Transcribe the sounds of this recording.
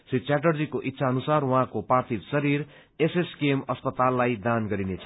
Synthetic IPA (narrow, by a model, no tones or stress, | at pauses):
sit͡sjaʈ̬ʌrd͡zikoʔit̪ːsʰaʌnusarwʌɦãkoprart̪ʰibsʌɾiɾ | eseskemʌspʌt̪alːajd̪anɡʌɾinet͡sʰʌ̥